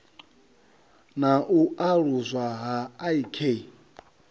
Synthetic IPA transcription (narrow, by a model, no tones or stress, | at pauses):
naʔuʔaɺuzʷaɦaːikʰei